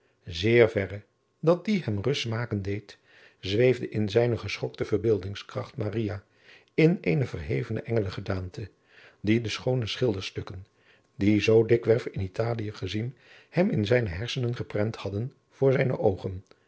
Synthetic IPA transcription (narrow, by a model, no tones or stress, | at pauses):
zɪːɹvɛrə | dɑt̚diɦɛmrɵstmaːkəndejt | zʋejvdəʔɪnzɛjnəχəsχɔktəv̥əɹbɪːlˠdɪŋskrɑχtmaːrija | ɪnejnəvərɦejvənə̰ʔɛŋələχədaːntə | didəsχownəsχɪlˠdəɹstɵkən | dizowdɪkʋɛɹfɪnitaːlijəχəzin | hɛmɪnzɛjnəɦɛɹsənənχəprɛnthɑdən | v̥ʊːɹzɛjnə̰ʔowχən